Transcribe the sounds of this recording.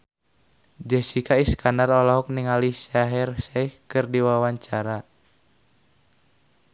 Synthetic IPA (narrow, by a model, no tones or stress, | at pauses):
d͡ʒɛsikʰaiskanarɔlɔɦɔk̚niŋaliʃaɦɛrsaihkɨrdiwawaɲt͡ʃaɾa